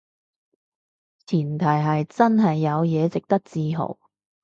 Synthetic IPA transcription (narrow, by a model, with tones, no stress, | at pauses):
t͡sʰiː˨˩nt̪ʰɐ˨˩jɦɐ˨jt͡sɐ˥nɦɐ˨jːɐ˨˧wjɛː˨˧t͡sɪ˨k̚t̪ɐ˥k̚t͡siː˧ɦo̰˨˩w